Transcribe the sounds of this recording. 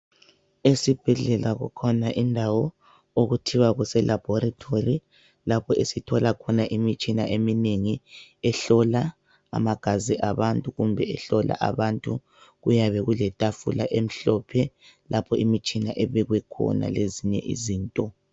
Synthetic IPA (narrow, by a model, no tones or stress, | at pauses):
esib̥ʱɛɮɛlaɣṵkʰɔnaʔindʱawɔ | oɣutʰiwaɣusɛlʔab̥ʱɔɾatʰori | lapʰɔʔesitʰɔlakʰɔnaʔimit͡ʃʼinaʔemineŋiɛɬɔla̰ː | maɡ̥ʱaziʔaβantʼuɣumbʱɛɛɬɔla̰ʔa̰βantʼu | ɣujaβɛɣulɛtʼafulaʔem̩ɬɔpʰɛ | lapʰɔimit͡ʃʼinaʔɛβɛɣwɛkʰɔ̰na̰leziɲɛ̰ʔḭziːntʼɔ